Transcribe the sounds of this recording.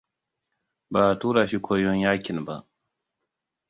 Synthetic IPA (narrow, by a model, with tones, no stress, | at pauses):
baː˨tuː˦ɾa˨ʃi˦kʰʷoː˦jɔ˦ɲjaː˦kʲɪ˨nba̰˦ʔ